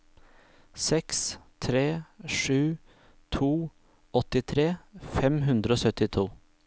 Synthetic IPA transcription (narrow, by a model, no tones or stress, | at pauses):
sɛkst̪ʰɾeːʂʉː | t̪ʰuː | ɔt̪ɪt̪ʰɾeːfɛmɦʉnd̪ɾəoːsœt̪ɪt̪ʰuː